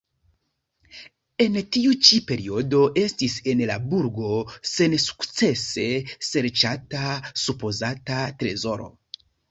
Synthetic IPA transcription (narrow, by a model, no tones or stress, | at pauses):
e̞ntiut͡ʃipe̞ɾio̞do̞ʔe̞stise̞nlabuɾɡo̞se̞nsu̥kt͡se̞se̞se̞ɾt͡ʃatasupo̞zatatɾe̞zo̞ɾo̞̰